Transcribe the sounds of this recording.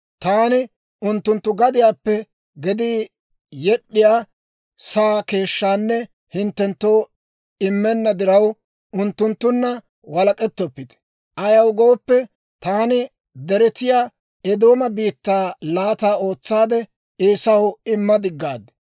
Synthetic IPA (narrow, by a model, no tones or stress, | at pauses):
t̪aːnɪ | ʔʊnt̪ːʊnt̪ːʊɡɐd̪ɪjaːpːɛ | ɡɛd̪ɪ | jɛɗːɪjaː | saːke̞ːʃːaːnːɛ | hɪnt̪ːɛnt̪ːo̞ː | ɪmːɛnːɐd̪ɪɾɐw | ʊnt̪ːʊnt̪ːʊnːɐ | wɐlɐkʼɛt̪ːɔpːɪt̪ɛ̥ | ʔɐjɐwɡo̞ːpːɛ | t̪aːnɪ | d̪ɛɾɛt̪ɪjaː | ɛd̪o̞ːmɐbiːt̪ːaːlaːt̪aːo̞ːt͡sːaːd̪ɛ | eːsɐwɪmːɐd̪ɪɡːaːd̪